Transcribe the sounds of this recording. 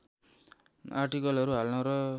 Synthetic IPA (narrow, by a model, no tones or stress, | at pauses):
arʈikʌlʌɾuɦalnʌɾʌ